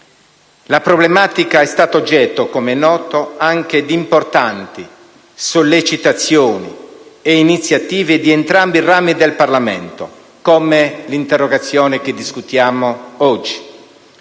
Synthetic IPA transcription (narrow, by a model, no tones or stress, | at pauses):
lapɾoblemaːt̪ikaɛst̪aːt̪od͡ʒːɛt̪ːokomenːɔːt̪oaŋk̟ed̪import̪ant̪i | solːet͡ʃit̪at̪sːjoːnḭeinit̪sjat̪iːved̪ient̪ɾambiraːmid̪elparlamḛnt̪o | komelint̪erːoɡat̪sːjɔːnek̟ed̪iskut̪jaːmoɔd͡ʒːi̥